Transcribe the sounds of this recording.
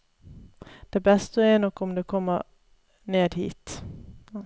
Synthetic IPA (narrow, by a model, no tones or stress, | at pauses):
d̪̥ɛbɛst̪əɛnɔkːɔmd̪ɛkʰɔmːəɾ | neːd̪hḭːt̪